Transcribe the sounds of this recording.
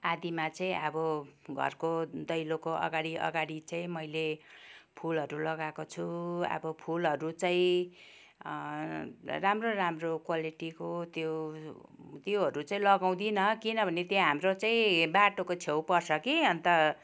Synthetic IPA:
ad̪imat͡saĩʌbʌɡʱʌ̰rkod̪ʌjlokoʔʌ̰ɡaɽiʔʌ̰ɡaɽit͡saĩmʌjlepʰulɦʌɾulʌɡakot͡sʰuʌ̰bʌpʰulɦʌɾut͡saĩ | ramroramrokwaliʈikot̪jo | t̪joɦʌɾut͡saĩlʌɡaw̃d̪inʌkinʌbʱʌnet̪jeɦamrot͡saĩbaʈokot͡sʰewpʌrsʰʌkiʌnt̪ʌ

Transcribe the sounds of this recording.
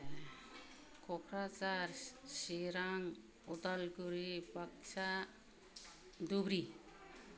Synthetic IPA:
kɔkʰɾat͡ʃaɾsiɾaŋ | ɔt̪alɡuɾibakt͡ʃa | d̪ubɾi

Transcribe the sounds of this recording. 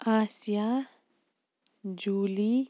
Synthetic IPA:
aːsija | d͡ʒuːli

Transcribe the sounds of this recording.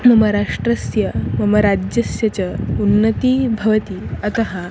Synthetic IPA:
mɐməɾaʂʈɾɐsjɐmɐmɐɾad͡ʑjɐsjɐt͡ɕaunːət̪iːbʱɐʋət̪iːɐt̪əɦa

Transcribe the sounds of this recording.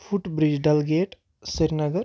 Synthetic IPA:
pʰʊʈbɾɪd͡ʒɖɐlɡeːʈ | sɪɾnəɡəɾ

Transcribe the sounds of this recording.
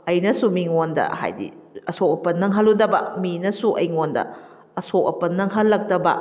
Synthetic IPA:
ɐjnɐsumiŋondɐ̰ha̰jdḭɐsok̚ɐpɐnːɐŋɦɐlːudɐbɐ̰minɐsuʔɐjŋondɐ̰ | ɐsok̚ɐ̰pɐnːɐŋɦɐlːɐk̚dɐbɐ

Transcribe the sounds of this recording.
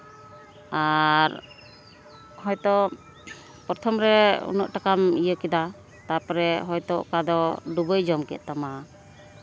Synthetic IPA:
aɾ | hɔjt̪ɔ | pɔɾt̪ʰɔmɾɛṵnɔʔʈakamijəkɛd̪a | t̪apɾɛɦɔjt̪ɔʔkad̪ɔɖubəjd͡ʒɔmkɛ̰ʔ̪̚t̪ama

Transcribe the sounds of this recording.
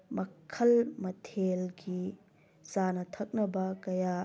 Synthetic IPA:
mɐkʰːɐlmɐtʰelɡi | sanɐt̪ʰɐk̚nɐbɐkɐja

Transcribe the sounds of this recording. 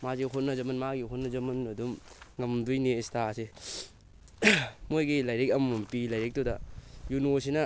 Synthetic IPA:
maziɦotnɐzɐmɐnmaɡiɦotnːɐd͡ʒɐmɐnɐdum | ŋɐmdujniːstase | mojɡilɐjɾek̚ɐmumpilɐjɾek̚todɐjunos̬inɐ

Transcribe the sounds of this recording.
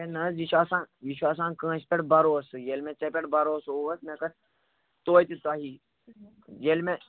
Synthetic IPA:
enɐzjiʃʰaːsãːjiʃʰaːs̬ãːnkə̃ːt͡ʃpʲeʈbɐɾoːsɨjelmẽt͡ʃɐpʲeʈbɐɾoːsoːʋɐsmẽkɐ | t̪oːjt̪ʲit̪aɦiː | jelmẽ

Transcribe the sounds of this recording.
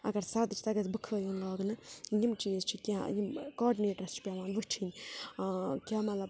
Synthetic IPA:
ɐ̰ɡɐɾsad̪ɨt͡ʃʰt̪ɐɡɐzbɨkʰəːjoːnlaːɡnɨjimt͡ʃiːzt͡ʃʰikʲajimkɔːɾɖineːʈɾɐst͡ʃʰi̥pʲaːʋaːnʋɨt͡ʃʰinʲ | kʲaːmɐt̪lɐb

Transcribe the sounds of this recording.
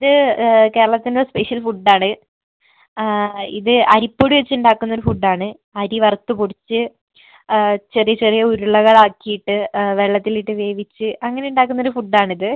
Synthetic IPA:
iðɨke̞ːɾɐɭɐt̪ːinospeʂijɐlfuɖːaːɳɨ | ḭðɨɐɾipːo̞ːɽiʋet͡ɕːuɳɖaːkːunːoɾufuɖːaːɳɨ | ɐɾiʋɐrt̪ːupuɽit͡ɕːɨ | t͡ɕerijɐt͡ɕerijɐuɾuɭːɐɣɐɭaːkːijiʈːɨʋe̞ɭːɐt̪ːiliʈːɨʋe̞ːʋit͡ɕːɨʔɐŋːɐne̞uɳɖaːkːunːoɾufuɖːaːɳiðɨ

